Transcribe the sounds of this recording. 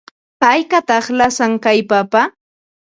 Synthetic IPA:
tajkat̪ɑχlasaŋkajpapa

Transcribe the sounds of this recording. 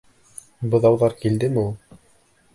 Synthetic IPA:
bɤ̆ðɑwðɑɾkild̪ɘmulˠ

